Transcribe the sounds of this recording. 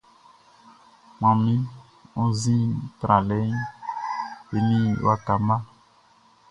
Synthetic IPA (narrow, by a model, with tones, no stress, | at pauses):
mã˨mĩ˦ | õ˦zĩ˦tɾa˨lɛ˦n | e˨nĩ˦˨wa˦ka˨mã˦